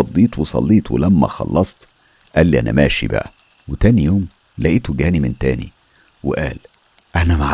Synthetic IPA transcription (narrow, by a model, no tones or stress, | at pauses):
ɑd̪ˤːiːt̪wesˤɑ̰lːiːt̪ˤwḛlæmːæ̰xɑ̰lːɑsˤt̪ | ʔæːlːiʔænæ̰mæːʃḭbæ̰ʔæ | wet̪æːnijoːm | læʔiːt̪oɡæːnimɪnt̪æːnḭ | weʔæːl | ʔænæmaʕ